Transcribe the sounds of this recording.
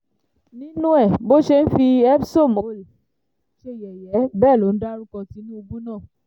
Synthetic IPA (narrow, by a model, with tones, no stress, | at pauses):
nĩ˦nũ˦ɛ˦˨bo˦ʃe˦n̩˦fi˧ɛ˦pso˦˨mo˨˦l | ʃe˧jɛ˨jɛ˨˦bɛː˦˨lo˨n̩˦da˦ɾu˦kɔ˧ti˨˦nũ˦o˧ɡu˦nãː˦˨